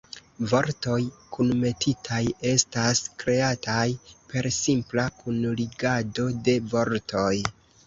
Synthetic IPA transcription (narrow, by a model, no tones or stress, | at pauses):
vo̞ɾto̞jkʰunme̞tʰitʰaje̞staskɾe̞atajpe̞ɾsimplakʰunliɡado̞de̞vo̞ɾtʰo̞j